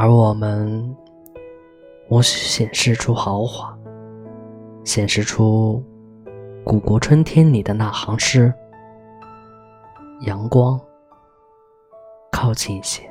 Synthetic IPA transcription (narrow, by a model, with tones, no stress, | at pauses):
ə˞˧˥wɔ˨˩mə˧n | wɔ˧˥ɕɕjɛ˨˩nʂɻ̩˥˩ʈ͡ʂʰu˥xɑ˧˥ʊxwa˨˧˩ | ɕjɛ˨˩nʂɻ̩˥˩ʈ͡ʂʰu˥ | ku˨˩kwɔ˧˥ʈ͡ʂʰwə˥nt̪ʰjɛ˥nli˨˩d̪ə˦na˥˩xɑ˧˥ŋʂɻ̩˥˩ | jɑ˧˥ŋkwɑ˥ŋ | kʰɑ˥˧ʊt͡ɕi˥˩ni˧˩ɕjɛ˥